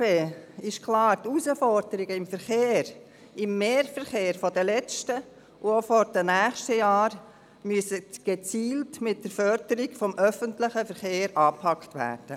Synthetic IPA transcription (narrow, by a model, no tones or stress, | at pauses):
eːɪʃkʰlɑːɾtusəfɔɾdəɾɪɡəɪmfəɾχeːɾ | ɪmːeːɾfəɾχeːɾfɔdəlɛt͡ʃtə | ʔuofɔɾd̥ənæːχʃtəjɑːɾ | myəsətɡ̥et͡siːltmɪt̚d̥əɾfœɾd̥əɾiɡfɔmʔœfəntlɪχəfəɾχeːɾɑːpʰɑktʋæ̰ːɾd̥ə